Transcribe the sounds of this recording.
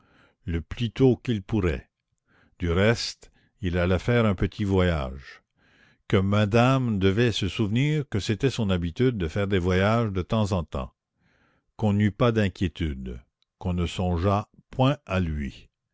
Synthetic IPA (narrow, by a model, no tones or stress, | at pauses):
ləplyt̪okilpuʁɛ̰ | d̪̥yʁɛst̪ | ilalɛfɛːʁɛ̃pət̪ʰivwaja̰ʒ | kəmad̪amd̪əvɛsəsuvniːʁkəset̪ɛsɔ̃nabit̪yd̪̚ːəfɛːʁd̪evwajaʒd̪ət̪ɑ̃zɑ̃t̪ɑ̰̃ | kɔ̃nypad̪ɛ̃kʲjet̪yd̪ | kɔ̃nəsɔ̃ʒapʰwɛ̃alɥi